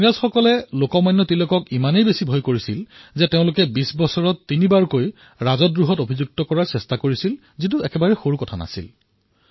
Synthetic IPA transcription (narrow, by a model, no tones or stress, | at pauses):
ɹazxɔkɔlɛlokɔmajnːɔtilokɔkimanejbesibʱojkoɹisilzɛteʊ̃lʊkɛbisbɔsɔɹɔtːinibaɹkoj | ɹazɔtːɹuɦɔtobʱizuk̚tɔkɔɹaɹsɛstakoɹisil | zit̬uɛkɛbaɹɛxoɹukɔtʰana̰sḭl